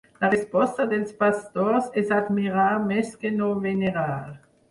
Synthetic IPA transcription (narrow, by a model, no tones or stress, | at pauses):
daʁɛspɔstɐdɛspastoːsɪsadmiʁaːmɛskenoveneʁaːl